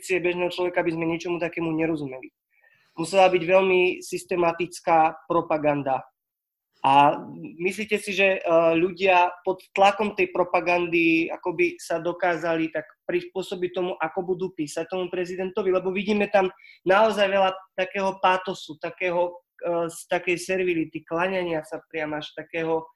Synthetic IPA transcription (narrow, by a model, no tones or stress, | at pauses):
t͡siɛbɛʒnɛːɦɔt͡ʃlɔʋɛkaabizmɛɲɛt͡ʃɔmut̪akɛːmuɲɛɾɔzumɛli | musɛlabiɟʋɛlmisist̪ɛmat̪it͡skaːpɾɔpaɡand̪a | ʔamisliːcɛsiʒɛʎuɟɪapɔt̪ːlakɔmt̪ɛjpɾɔpaɡand̪ia̰kɔbisad̪ɔkaːzalit̪akpɾispʊɔsɔbit̪ɔmuʔakɔbud̪uːpiːsac̚t̪ɔmupɾɛzid̪ɛnt̪ɔʋilɛbɔʋiɟiːmɛt̪amnaɔzajʋɛlat̪akɛːɦɔpaːt̪ɔsut̪akɛːɦɔ | st̪akɛjsɛɾʋilit̪iklaɲɛɲɪasapɾɪamaʃt̪akɛːɦɔ